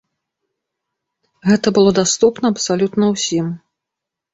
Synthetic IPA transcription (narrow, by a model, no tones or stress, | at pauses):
ɣɛt̪ɐbɨlˠɔd̪ast̪upnɐɐpsalʲut̪nɐwsʲim